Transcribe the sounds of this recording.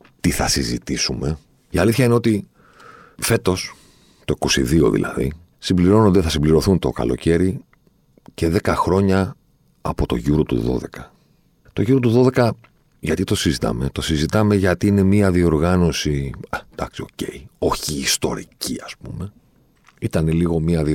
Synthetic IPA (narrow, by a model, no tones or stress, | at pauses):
t̪iθɐsizit̪isume̞ | iɐliθçɐineo̞t̪i | fe̞t̪o̞s | t̪oikosiðio̞̰ðḭlʔɐ̰ðḭ | simbliɾo̞nond̪eθɐsimbliɾo̞θunt̪o̞̰kɐ̰lo̞ce̞ɾi | ce̞ðe̞kɐxɾo̞ɲɐː | po̞t̪o̞ʝuɾo̞t̪ṵðo̞̰ðe̞̰kɐ | t̪o̞ʝuɾot̪uðo̞ðe̞kɐ | ʝɐt̪it̪o̞sizit̪ɐ̰me̞t̪o̞sizit̪ɐme̞ʝɐt̪iine̞miɐðio̞ɾɣɐno̞sid̪̥ɐksio̞ce̞io̞çiːst̪o̞ɾiciɐspume̞ | it̪ɐneliɣo̞miɐði